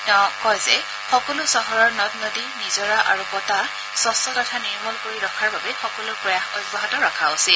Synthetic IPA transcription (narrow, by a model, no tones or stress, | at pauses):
ɔkɔjzɛ | xɔkɔlʊsɔɦɔɹɔɹnɔtnodinizɔɹaʔaɹubɔta | sɔstɔkɔtʰaniɹmɔlkoɹiɹɔkʰaɹbabɛxɔkɔlʊɹpɹɔjaxɔjbɔɦatɔɹɔkʰaosil